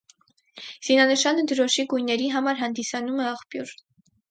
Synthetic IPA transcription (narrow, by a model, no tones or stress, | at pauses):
z̥inɑnəʃɑnəd̪əɾɔʃiɡujnːɛɾiɦɑmɑɾɦɑnd̪isɑnumɛɑχpjuɾ